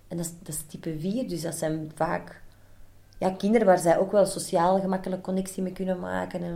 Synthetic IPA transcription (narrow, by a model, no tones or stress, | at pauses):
ʔɛndɑsd̥ɑstipəviːrdʏzdɑtsɛnvaːk | jaːkɪndəɾəʋaːrzɛjʔoːkʋɛlˠsosjaːlˠɣəmɑkələkːɔnɛksimeːkʏnənma̰ːkənɛn